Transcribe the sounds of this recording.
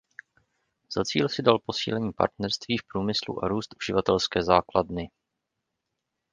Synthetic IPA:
z̥at͡sḭːlsɪdalpo̞sḭːlɛɲiːpa̰ɾt̪nɛɾst̪viːfpɾuːmɪslṵʔaɾuːst̪ʔuʒɪvat̪ɛlskɛːzaːkladnɪ

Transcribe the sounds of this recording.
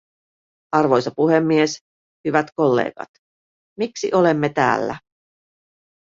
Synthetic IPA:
ɑrʋo̞jsɑpuɦe̞mːies | hyʋæt̪ko̞lːḛːɡ̥ɑ̰t̪ | miksḭʔo̞le̞mːet̪æ̰ːlːæ̰

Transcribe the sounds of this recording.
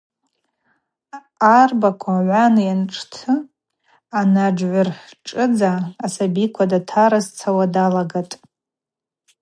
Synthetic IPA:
arbakʷʰaʕʷanɨjanʈ͡ʂʼʰtʰɨ | anad͡ʒʕʷʊrħʈ͡ʂʼɨd͡zaːsabikʷʰadatʰaɾazt͡sʰawadalaɡatʼ

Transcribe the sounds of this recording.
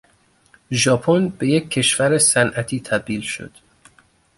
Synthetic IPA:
ʒɒːpʰonbe̞jecʰːe̞ʃvæɾesænʔæt̪ʰiːt̪ʰæb̚d̪iːlʃo̞̰d̪̥

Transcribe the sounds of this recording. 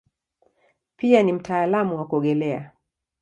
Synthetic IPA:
pianim̩tʰaːlamuwakɔɠɛlɛa̰

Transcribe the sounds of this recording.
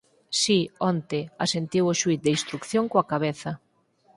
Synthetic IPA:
siɔnt̪easent̪iwʊʃuit̪̚d̪einst̪ɾukθjoŋkoakaβeθɐ

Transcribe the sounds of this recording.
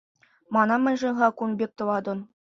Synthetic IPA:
mɑnɑmʲɘ̆nʲʐɤ̆nʁɑkunbʲek̚ʲt̪ɤ̆lɑd̪ŏn

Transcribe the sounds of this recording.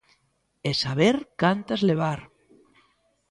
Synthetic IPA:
esaβeɾkant̪azleβ̞aɾ

